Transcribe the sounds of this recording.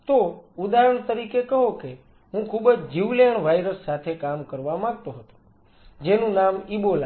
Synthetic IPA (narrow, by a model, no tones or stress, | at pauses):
t̪oud̪aɾəɳ̃t̪əɾikekəɦoke | ɦũkʰubəd͡ʒd͡ʒiʋljaɳʋajɾəsːat̪ʰekamkəɾʋamãɡ̚t̪oɦət̪o̥ | d͡ʒenũnamibola